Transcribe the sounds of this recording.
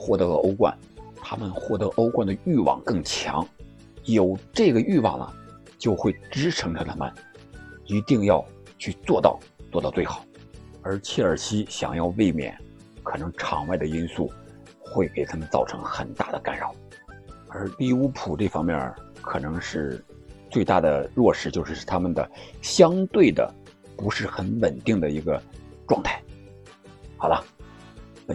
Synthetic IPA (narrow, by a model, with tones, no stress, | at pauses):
xwɔ˥˩t̪ɤ˧˥lə˧o˥ʊkwa̰˥˩n | t̪ʰa˥mə˨nxwɔ˥˩t̪ɤ˧˥ʔo˥ʊkwa˥˩nd̪ə˩y˥˩wɑ̰˨˩ŋkɤ˥˩ŋt͡ɕʰjɑ̰˧˥ŋ | jo˨˩ʊʈ͡ʂɤ˥˩ɡə˩y˥˧wɑ̰˨˩ŋlə̰˩ | t͡ɕjo˥˧ʊxwe˥˩ɪʈ͡ʂɻ̩˥ʈ͡ʂʰɤ˧˥ŋʈ͡ʂʰə˧˩t̪ʰa˥˩mə̰˨˩n | i˧˥t̪i˥˧ŋjɑ˥˧ʊ | t͡ɕʰy˥˧t͡swɔ˥˧t̪ɑ̰˥˧ʊt͡swɔ˥˧t̪ɑ˥˧t͡swe˥˩ɪxɑ̥˨˩˦ʊ | ə˞˧˥t͡ɕʰɛ˥˩ə˞˨˩ɕi˥ɕjɑ̰˨˩ŋjɑ˥˧ʊwe˥˩ɪmjɛ̰˨˩˦n | kʰɤ˨˩nɤ˧˥ŋʈ͡ʂʰɑ̰˨˩ŋwa˥˩ɪd̪ə˩i˥nsu˥˩ | xwe˥˩ɪke˥˩ɪt̪ʰa˥mə˧nt͡sɑ˥˩ʊʈ͡ʂʰɤ̰˧˥ŋxə˨˩nt̪a̰˥˩d̪ə˩ka˧˥nɻɑ˨˩ʊ | ə˞˧˥li˥˩u˥pʰu˨˩ʈ͡ʂɤ˥˩fɑ˥ŋmjɛ˥˩n | kʰɤ˨˩nɤ˧˥ŋʂɻ̩˥˧ | t͡swe˥˧ɪt̪a̰˥˩d̪ə˩ɻwɔ˥˧ʂɻ̩˥˧t͡ɕjo˥˧ʊʂɻ̩˥˩˥t̪ʰa˥mə˨nd̪ə̰˩ɕjɑ˥ŋt̪we˥˩ɪd̪ə̰˩ | pu˧˥ʂɻ̩˥˩xə˧˥nwə˨˩nt̪i˥˩ŋd̪ə˩i˧˥ɡə˧ʈ͡ʂwɑ˥˧ŋt̪ʰa˥˩ɪ | xɑ˨˩ʊlə˦˧